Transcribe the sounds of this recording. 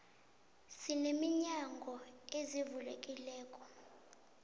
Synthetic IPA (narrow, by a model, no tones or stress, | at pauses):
sinemiɲaŋɡʱɔezivulḛkʼilɛːkʼɔ